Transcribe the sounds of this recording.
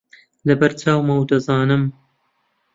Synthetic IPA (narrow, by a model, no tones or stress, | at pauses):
lɐbɐɾt͡ʃaːwmɐwd̪ɐzaːnɨm